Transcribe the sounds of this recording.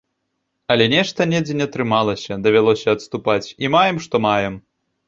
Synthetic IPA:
ɐlʲɛnʲɛʂt̪ɐnʲɛd͡zʲenʲɐt̪ɾɨmalˠɐsʲɐd̪ɐvʲalˠɔsʲɐɐt̪st̪upat͡sʲimajɛmʂt̪ɔmajɛm

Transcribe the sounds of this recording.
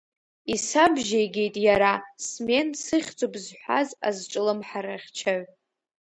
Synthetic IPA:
isabʒejɡʲe̞jtʼjaɾasme̞nsɨχʲt͡sʼobzħʷa̰za̰zʈ͡ʂʼɨlɨmħaɾaχʲt͡ʃʰaʕʷ

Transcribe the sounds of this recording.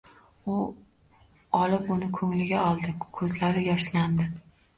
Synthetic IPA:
ʊ | ɒlɪpʊnɪkʰɵŋlɪɡʲaɒlˠd̪ɪkʰɵzlaɾɪjɒʃland̪ɪ

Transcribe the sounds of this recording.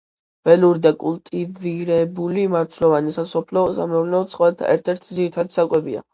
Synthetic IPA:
b̥ɛluɾid̪akʼulˠt̪ʼiviɾɛbulimaɾt̪ʰlɔvanisasɔpʰlɔsa̰mɛvlnɛɔt̪sʼqʼɔɛt̪ʰɛ̰ɾt̪ʰɛɾt̪ʰid̪ziɾit̪ʰad̪i̥sakʼwɛbia̰

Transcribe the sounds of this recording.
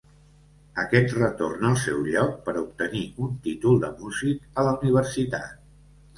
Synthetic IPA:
əkɛt̪rət̪ornəlˠsɛ̰wʎɔk̚pəɾup̚t̪əniunt̪it̪ulˠd̪əmuzikələuniβ̞əɾsit̪a̰t̪̚

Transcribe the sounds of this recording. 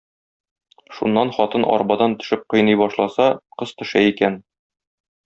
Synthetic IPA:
ʃunːɑnχɒt̪ɤnʔɒ̰ɾbɑd̪ɑnt̪ɵ̥̆ʃɘp̚qɤ̆jnɤjbɒʃlˠɑsɑqɤzt̪ɵ̆ʃæikæn

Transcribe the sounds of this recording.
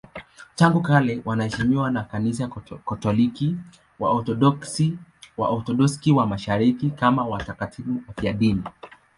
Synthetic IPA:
taŋɡukalɛwʔanahɛʃimiwanakanis̬akatɔliki | wa̰ɔtɔɗɔksiwa̰ʔɔt̪ɔɗɔskiwamaʃaɾikikamawatakatʰifuafiaɗini

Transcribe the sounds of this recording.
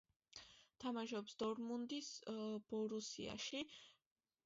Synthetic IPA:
t̪ʰamaʃɔpsd̪ɔɾmund̪isb̥ɔɾusḭa̰ʃi

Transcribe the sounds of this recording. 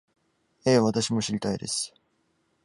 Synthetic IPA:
eːβat̪aɕimo̞ɕiɾʲit̪aid̪e̞̰sɨ̥

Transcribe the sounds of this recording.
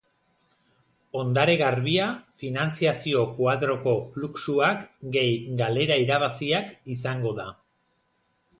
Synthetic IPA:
o̞nd̪aɾe̞ɣaɾβiafinant͡siasio̞kwaðɾo̞ko̞fluksuakɡe̞jɡale̞ɾaiɾaβ̞asiakisaŋɡo̞ða

